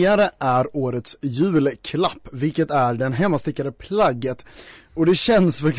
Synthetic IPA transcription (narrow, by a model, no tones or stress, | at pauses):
aɾəʔæɾoːɾət̪sjʉ̟ːlkʰlapːvɪlkət̪æɖɛnɦɛmːast̪ɪkːad̪əpʰlaɡːət̪ɔd̪ɛɕɛnːsfœɾkʰ